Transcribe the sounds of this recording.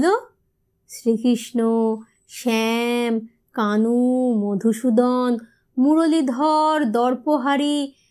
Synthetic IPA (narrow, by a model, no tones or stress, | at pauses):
lo | ʃɾikɾiʃno | ʃɛm | kanumod̪ʱuʃud̪ɔn | muɾolid̪ʱɔɾd̪ɔɾpoɦaɾi